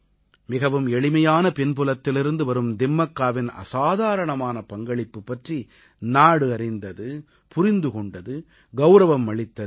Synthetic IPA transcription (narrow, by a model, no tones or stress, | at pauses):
mɪɣɐʋɯmɛɭɪmɐjaːnɐpɛnpʊlɐt̪ːɪlɪɾɯnd̪ɯʋɐɾɯmd̪ɪmːɐkːaːʋɪnɐ̰saːðaːɾɐɳɐmaːnɐpɐŋɡɐɭɪpːɯpːɐʈri | naːɽɯɐɾɪnd̪ɐðɯ | pʊɾɪnd̪ɯkɔɳɖɐðɯ | ɡɐʊɾɐʋɐmʋɐɭɪt̪ːɐðɯ